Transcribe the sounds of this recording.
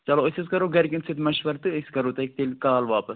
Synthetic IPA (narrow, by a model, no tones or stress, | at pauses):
t͡ʃɐloːɨsʲiskɐɾoːɡɐɾkʲinsʰɨt̪mɐʃʋɐɾt̪ːɨɨskɐɾoːt̪ɐk̚t̪ilʲkaːlʋaːpɐs